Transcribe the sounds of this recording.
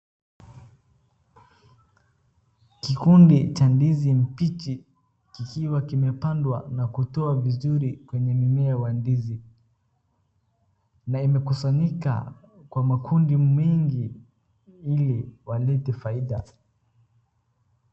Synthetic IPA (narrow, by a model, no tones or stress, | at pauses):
kikundit͡ʃandizim̩pit͡ʃi | kikiwakimɛpandwa̰nakutɔavizuɾikwɛɲɛmimɛawandizi | naimɛkusaɲika̰ | kwamakʰundimɛŋɡi | iliwalɛtɛfaiɗa